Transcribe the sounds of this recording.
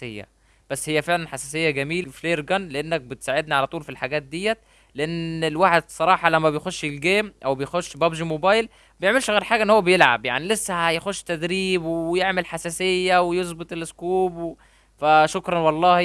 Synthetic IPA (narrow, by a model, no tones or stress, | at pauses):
sejːæ̰ | b̥æsːhejːæfeʕlænħasæsejːæɡæmiːlfleːɾɡænleʔenːæk̚bet̪saːʕed̪niʕalæt̪ˤuːlfilħaɡæːt̪̚d̪ijːæt̪ | leʔenːelwaːħed̪sˤɑɾˤɑːħɑlæmːæbejxoʃːelɡeːmʔæwbejxoʃːbæbʒimobæːjl | bejeʕmelʃɣeːɾħaːɡæʔenːhowːæbejelʕa̰bja̰ʕnilesːæhæjxoʃːt̪æd̪ɾiːbwjeʕmelħasæsejːæwejozbet̪ˤelʔɪskuːb | fæʃokɾˤɑnwɑlˤːɑːh